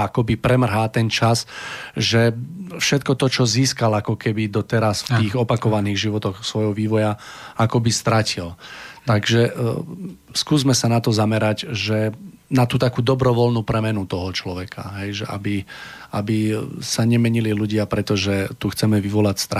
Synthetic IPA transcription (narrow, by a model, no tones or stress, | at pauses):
akɔbipɾɛmr̩ɦaːt̪ɛnt͡ʃasʒɛfʃɛt̪̚kɔt̪ɔt͡ʃɔziːskalakɔkɛbid̪ɔt̪ɛɾasft̪iːɣɔpakɔʋaniːɣʒiʋɔt̪ɔxsʋɔjɦɔʋiːʋɔjaʔakɔbist̪ɾacilt̪aɡʒɛ | skuːzmɛsanat̪ɔzamɛɾaɟʒɛ | nat̪uːt̪akuːd̪ɔbɾɔʋɔlnuːpɾɛmɛnut̪ɔɦɔt͡ʃlɔʋɛkʰa̰ɦɛjʒɛʔa̰biabisaɲɛmɛɲililuɟɪapɾɛt̪ɔʒɛt̪uxt͡sɛmɛʋiʋɔlacst̪ɾa